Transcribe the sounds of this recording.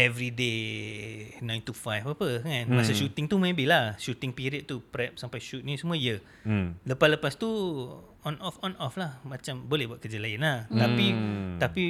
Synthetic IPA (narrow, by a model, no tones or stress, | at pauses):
ɛvɾide | nãjnt̪ufajfapəŋanmasəʃut̪ɪŋt̪umẽbɪlahʃut̪ɪŋpiɾiət̪̚t̪upɾɛp̚sampajʃut̪̚nisəmũəijə | ləpasləpast̪u | ɔnɔfɔnʔɔflahmãt͡ʃambolɛhbuaʔ̪̚kəd͡ʒalaɪnlaht̪apit̪api